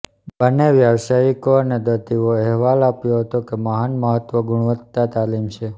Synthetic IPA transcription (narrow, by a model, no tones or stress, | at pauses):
bənːeʋjəʋsaikoəned̪ət̪iʋoɛɦʋalapjoɦət̪okeməɦanməɦət̪ʋəɡʊɽ̃ʋət̪ːat̪alimt͡ʃʰe